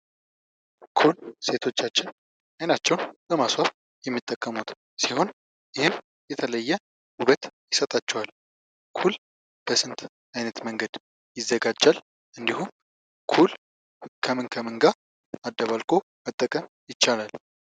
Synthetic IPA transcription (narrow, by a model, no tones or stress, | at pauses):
kʰulse̞t̪ʰo̞t͡ʃːat͡ʃːɪn | ajnat͡ʃːɛwnbəmaswaf | jɛmːit̪ʼːəkʼːəmut̪ | siɦo̞n | jɪhɪm | jɛt̪ʰələjːɛ | uβət̪jɪsət̪ʼat͡ʃːɛwal | kʰul | b̥əsɨnt̪ʰ | ajnət̪məŋɡəd̪ | jɪzːəɡad͡ʒːal | ʔɨnd̪ihum | kʰul | kʰəmɨnkʰəmɨŋɡa | ad̪ːəβalkʼo̞ | mət̪ʼːəkʼəm | jɪt͡ʃːalal